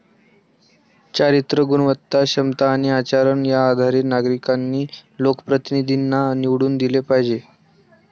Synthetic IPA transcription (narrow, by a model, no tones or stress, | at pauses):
t͡ɕaɾit̪ɾəɡunəʋət̪ːaɕəmt̪aːñiat͡ɕaɾəɳjaːd̪ʱaɾinaɡɾikanːiːlokə̥pɾət̪inid̪ʱinːaniʋɽuːnd̪ilepaɦid͡ʑe